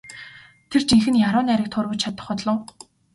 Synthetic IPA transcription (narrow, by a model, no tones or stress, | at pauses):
t̪ʰert͡ɕiŋxɘ̆njaɾʊːnæɾʲĭːk̚t̪ʰʊrwʊ̆t͡ɕt͡ɕʰat̪ə̆χɔt̪ɮɞ̆w